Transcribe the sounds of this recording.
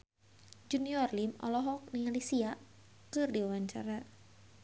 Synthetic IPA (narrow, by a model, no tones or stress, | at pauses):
d͡ʒuniɔrlimɔ̰lɔɦɔk̚nialisia | kɨrdiwawaɲt͡ʃa̰ɾa